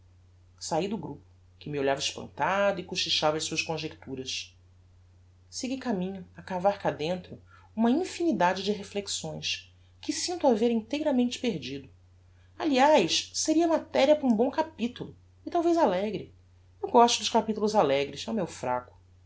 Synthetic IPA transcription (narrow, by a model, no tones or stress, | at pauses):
said̪ʊɡɾupʊ̥ | kɪmɪoʎavɐɪʃpɐ̰̃nt̪ad̪ʊikuʃiʃavɐjsuɐʃkõʒekt̪uɾɐʃ | siɡikamĩɲʊakavaɾkad̪ẽnt̪ɾʊ | ũmɐĩfinid̪ad͡ʒɪd͡ʒɪɦefleksõj̃s | kɪsĩnt̪ʊaveɾĩnt̪ejɾɐmẽnt͡ʃɪ̥peɾd͡ʒid̪ʊ | aliajʃseɾiɐmat̪ɛɾiɐpʊɾũbõw̃kapit̪ulʊ | ɪt̪awvejzalɛɡɾɪ | ewɡɔʃt̪ʊd̪ʊʃkapit̪ulʊzalɛɡɾɪsɛumewfɾa̰kʊ̥